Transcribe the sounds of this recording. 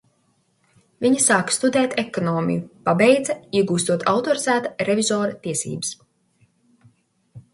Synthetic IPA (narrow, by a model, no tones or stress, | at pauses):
vʲiɲisaːkst̪ud̪ɛːt̪ʰekɔnɔːmʲḭjupabɛjd̪zɐiɛɡuːst̪uɔt̪ʰawt̪ɔɾizæːt̪aɾevʲizɔːɾɐt̪iɛsḭːbɨs